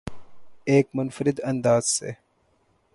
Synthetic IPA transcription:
eːkmʊnfəɾɪd̪ɐ̃nd̪aːz̥sḛ

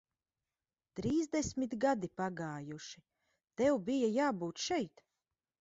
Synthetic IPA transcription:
t̪ɾiːzd̪esʲmit̪ɡad̪ipaɡaːjuʃi̥ | t̪ɛwbijajaːbuːt̪ʃɛjt̪

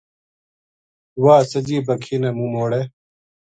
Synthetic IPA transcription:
waːsɐd͡ʑiːbɐkʰinɐmumoːɽe

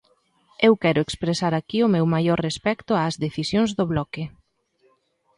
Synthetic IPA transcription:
ewkɛɾʊekspɾesaɾakiʊmewmajɔɾrespɛkt̪ʊazðeθisjoŋzðoβlɔkɪ

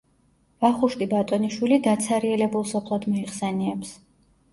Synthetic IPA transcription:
vaχuʃt̪ʼibat̪ʼɔniʃwilid̪at̪sʰaɾiɛlɛbulˠsɔpʰlˠad̪mɔiχsɛniɛps

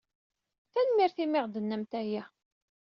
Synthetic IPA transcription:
θænmɪɾθimɪʁd̪ənːəmt̪æjæ

